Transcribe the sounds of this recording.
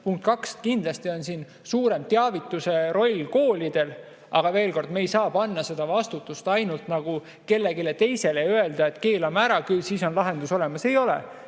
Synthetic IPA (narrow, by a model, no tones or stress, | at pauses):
puŋkt̪kɑkskind̪lɑst̪io̞nsiːn | suːɾe̞mt̪eɑvit̪ːˑuse̞ɾo̞lʲko̞ːlʲid̪̥e̞l | ʔɑɡ̥ɑve̞ːlko̞rd̪me̞jsɑːpɑnːɑse̞d̪̥ɑvɑst̪ut̪ːˑust̪ɑjnult̪nɑɡ̥u | ke̞lːe̞ɡile̞t̪e̞jse̞le̞øe̞ld̪̥ɑe̞t̪ːˑke̞ːlɑmæɾɑkylsiːso̞nlɑɦe̞nd̪uso̞le̞mɑse̞jo̞lḛ